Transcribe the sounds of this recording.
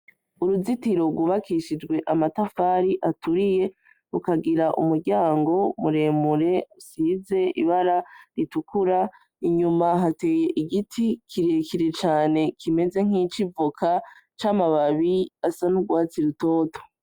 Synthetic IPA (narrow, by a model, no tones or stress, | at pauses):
uɾuzitiɾo̞ɡwuβakʰiʃid͡ʒɡwe̞ʔamatafaːɾiʔatuɾije̞ | ukaɡiɾaʔṵmuɾɟaːŋɡo̞muɾe̞ːmuɾe̞usize̞ḭβaɾaɾitukʰuɾa | iɲumaɦate̞ːje̞ʔiɡitʰikʰiɾekiɾet͡ʃaːne̞kʰime̞ze̞ŋ̥it͡ʃivukʰat͡ʃaːmaβaβiasanuɡwaːt͡siɾuto̞ːto̥